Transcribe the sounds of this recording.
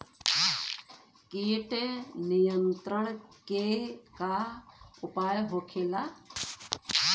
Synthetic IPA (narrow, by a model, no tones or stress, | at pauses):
kiːʈenijənt̪ɾəɳkekaʊpaːjɦoːkʰeːla